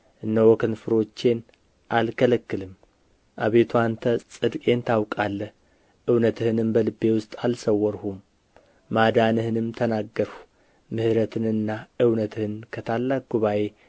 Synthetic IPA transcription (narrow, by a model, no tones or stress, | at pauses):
ʔɨnːəwɔkʰɨnfɨɾo̞t͡ʃːe̞n | ʔalkʰələkːɨlɨm | ʔaβe̞t̪ʰuant̪ʰəsʼɨd̪kʼe̞nt̪ʰawkʼalːəh | ʔɨwnət̪ʰɨhɨnɨmbəlɨbe̞wʊst̪ʼalsəwːɔɾhumː | ad̪anɨhɨnɨmt̪ʰənaɡːəɾhu̥ | mɨhɨɾət̪ʰɨnɨnːaʔɨwnət̪ʰɨhɨnkʰət̪ʰalːak̚ɡuβaʔe̞